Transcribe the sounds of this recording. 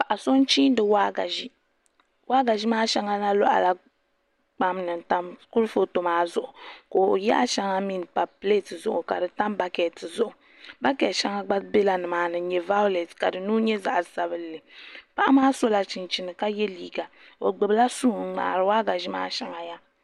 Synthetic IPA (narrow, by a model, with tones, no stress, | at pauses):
pa˨ʔa˨so˦n˦t͡ʃiː˦n˦dɨ˨wa˦ɡa̰˨ʒi˦ | wʔa˦ɡa˨ʒi˦maː˦ʃɛ˦ŋa˦na˦lɔ˦ʔa̰˨la˨ | k͡pa˦mnɨ˨n˨ta˦mku˦ɾfo˦to˨maː˨˦zʊ˦ʔʊ˨koː˨jɛ˦ʔa˦ʃɛ˦ŋa˦mi˦n˨k͡pa˨ple˦tɨ˨zʊ˦ʔʊ̰˨ka̰˨dɨ˨ta˦mba˦kɛ˨tɨ˨zʊ˦ʔʊ˨ | ba˦kɛ˨ʃɛ˦ŋa˦ɡ͡ba˦be˦la˨nɨ˨maː˨nɨ˨˦ɲɛ˨va˦lɛ˨tka˨dɨ˨nuː˦ɲɛ˦za˨ʔa˨sa˨bɨ˦lːɨ˨pa˦ʔa˦maː˦so˦la˨t͡ʃi˨nt͡ʃi˨nɨ˨ka˦jɛ˦liː˨ɡa˨ | o̰˨ɡ͡bɨ˨bɨ˦la˦suː˦˨˦ŋ͡ma̰ː˨ɾɨ˨waː˦ɡa˨ʒi˦ma̰ː˦ʃɛ˨ŋa˨ja˦